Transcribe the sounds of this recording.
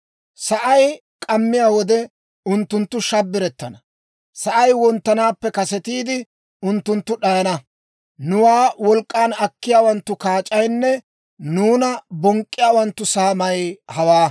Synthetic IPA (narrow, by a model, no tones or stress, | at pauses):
sɐʔɐj | kʼɐmːɪjaːwɔd̪ɛ | ʊnt̪ːʊnt̪ːʊʃɐbːɪɾɛt̪ːɐnɐ | sɐʔɐjwɔnt̪ːɐnaːpːɛkɐsɛt̪iːd̪ɪ | ʊnt̪ːʊnt̪ːʊɗɐjɐnɐ | nʊwaːwɔlkʼːaːnɐkːɪjaːwɐnt̪ːʊkaːt͡ʃʼɐjnːɛ | nuːnɐbɔŋkʼːɪjaːwɐnt̪ːʊsaːmɐjhɐwaː